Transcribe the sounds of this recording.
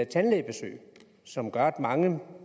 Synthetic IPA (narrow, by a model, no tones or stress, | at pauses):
t͡sʰænleːb̥e̝sø̰ːɪ | sɒ̽mɡ̥ɑd̥mɑ̈ŋə